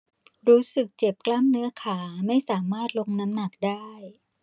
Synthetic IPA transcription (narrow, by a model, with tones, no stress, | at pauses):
ɾuː˦˥sɯ˨˩k̚t͡ɕe˨˩p̚kla˥˩mnɯ˦˥ɐkʰaː˩˦ma˥˩jsaː˩˦maː˥˩t̪̚lo˧ŋna˦˥mna˨˩k̚daː˥˩j